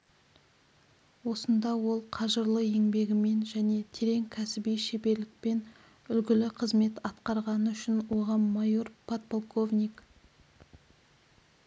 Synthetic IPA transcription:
wo̞sənd̪ɑwo̞lˠqʰɑʒəɾlˠəe̞ŋbe̞ɡʲɪme̞nʒæne̞t̪ʰe̞ɾe̞ŋkʲʰæsɪbijʃebe̞ɾlɪk̚pe̞n | ʏlɡʲɪlɪqʰəzme̞t̪ɑt̪qɑɾʁɑnəʏʃɪnwo̞ʁɑmːɑjo̞rpʰat̪̚polˠkʰo̞vnʲik

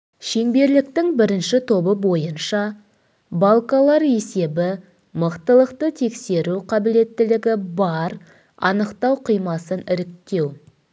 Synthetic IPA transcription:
ʃe̞ŋbe̞ɾlɪk̚t̪ɪŋbɪɾɪnʃɪt̪ʰo̞bəbo̞jənʃɑ | bɑlˠkɑlˠɑɾe̞se̞bɪ | məqt̪əlˠəqt̪ət̪ʰe̞kse̞ɾuqʰɑbɪle̞t̪ːɪlɪɡʲɪbɑɾ | ɑ̰nəqt̪ɑwqʰijmɑsənɪɾɪk̚t̪e̞w

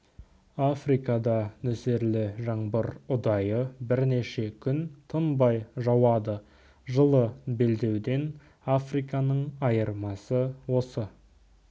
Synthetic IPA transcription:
afrijkɑd̪ɑnɵseɾlɪʒɑɴbəɾʊd̪ɑjəbɪɾne̞ʃe̞kʲʰʏnt̪ʰənbɑjʒɑwɑd̪ə | ʒəlˠəbe̞ld̪e̞wd̪e̞n | afrijkɑnəɴɑjəɾmɑsəwo̞sə

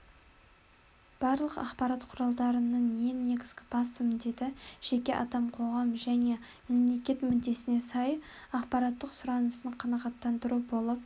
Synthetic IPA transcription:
b̥ɑɾlˠəqɑ̰qpɑɾɑt̪qʰʊɾɑlˠd̪ɑɾənəɴje̞ŋne̞ɡʲɪzɡʲɪbɑsəmd̪e̞d̪ɪʒ̥e̞kʲe̞ʔɑ̰d̪ɑmqʰo̞ʁɑmʒæne̞ | me̞mle̞kʲe̞t̪mʏnd̪e̞sɪne̞sɑjɑqpɑɾɑt̪ːəqsʊɾɑnəsəɴqʰɑnɑʁɑt̪ːɑnd̪əɾubo̞lˠəp̚

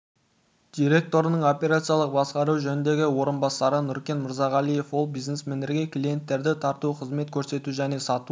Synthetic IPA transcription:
d̪̥ijɾe̞k̚t̪o̞ɾənəɴo̞pʲe̞ɾat̪sɨjɑlˠəq̚bɑsqɑɾuwʒɵnɪnd̪e̞ɡʲɪwo̞ɾənbɑsɑɾənʏɾkʲe̞nməɾzɑʁɑlˠije̞fwo̞lˠbijznesmend̪eɾɡʲe̞kʰlije̞nt̪ːe̞ɾd̪ɪt̪ʰɑɾt̪uqʰəzme̞t̪̚kʲʰɵɾse̞t̪uʒæne̞sɑt̪u

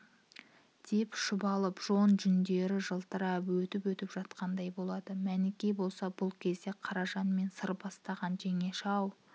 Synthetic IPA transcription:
d̪̥e̞pʃʊbɑlˠəpʒ̥o̞nʒʏnd̪e̞ɾɪʒəlˠt̪əɾɑpwɵt̪ɪpwɵt̪ɪpʒ̥ɑt̪qɑnd̪ɑjbo̞lˠɑd̪əmænɪkʲejbo̞lˠsɑbʊlˠkʲʰe̞zd̪e̞qʰɑɾɑʒɑnme̞nsəɾbɑst̪ɑʁɑnʒe̞ŋe̞ʃɑw

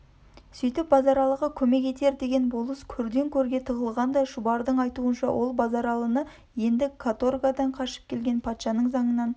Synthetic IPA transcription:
sʏjt̪ɪp̚bɑzɑɾɑlˠəʁəkʲʰɵme̞ke̞t̪e̞ɾd̪e̞ɡʲe̞nbolˠəskʲʰɵɾd̪e̞ŋkʲʰɵɾɡʲe̞t̪ʰəʁəlˠʁɑnd̪ɑjʒʊbɑɾd̪əɴɑjt̪uənʃɑ̰wʔo̞lˠbɑzɑɾɑlˠənə | je̞nd̪ɪkʰat̪orɡad̪ɑɴqʰɑʃə̥p̚kʲʰe̞lɡʲe̞npʰɑt̪ʃɑnəɴzɑɴənɑn

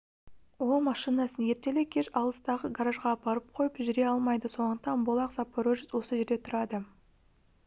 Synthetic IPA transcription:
wo̞lˠmɑʃinɑsənje̞ɾt̪e̞lekʲʰe̞ʃɑlˠəst̪ɑʁəɡaɾaʒʁɑbɑɾəp̚qʰo̞jəpʒʏɾe̞ɑlˠmɑjd̪əso̞nənt̪ɑnbolˠɑqzɑpːoɾoʒɪswo̞səʒe̞ɾd̪e̞t̪ʰʊɾɑd̪ə

